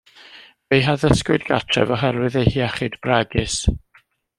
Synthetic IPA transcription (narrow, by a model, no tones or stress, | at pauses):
v̥ejɦaðəskʊɨdɡatʰrɛ̰vɔɦɛɾwɨðejhiaχɨdbraɡɨs